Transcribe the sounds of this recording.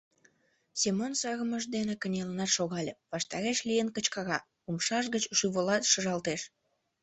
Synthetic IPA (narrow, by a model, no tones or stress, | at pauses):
sʲemonsɑɣəməʃd̪enekənʲelənɑt̪ʃoɣɑlʲeβɑʃt̪ɑɾeʃlʲijənkət͡ɕkɑɣɑ | umʃɑʃ̬ɣət͡ɕʃyβolɑt̪ʃəʒɑlt̪eʃ